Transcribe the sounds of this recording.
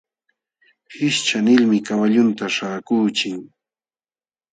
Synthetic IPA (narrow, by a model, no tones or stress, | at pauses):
hɪʃt͡ʃanɪlmɪkawaʎʊnt̪aʃaːkuːt͡ʃɪŋ